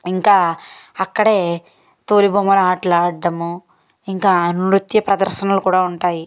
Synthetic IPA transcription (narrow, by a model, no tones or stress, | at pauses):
iŋkaːɐkːɐɽe̞ː | t̪oːlibɐmɐlaːʈlaːɖːɐmu | iŋkaːnɾut̪jɐpɾɐd̪ɐɾʃɐnɐlukuːɽaːuɳʈaːji